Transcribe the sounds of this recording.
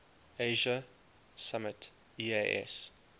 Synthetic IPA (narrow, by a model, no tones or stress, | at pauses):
eɪʒə | samət | ieʔɛ̰s